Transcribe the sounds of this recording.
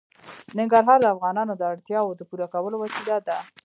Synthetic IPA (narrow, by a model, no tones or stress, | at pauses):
nɪŋɡaɾɦɑɾd̪əafɣɑnɑnod̪əaɽt̪jɑwod̪əpuɾakawəlowasilad̪a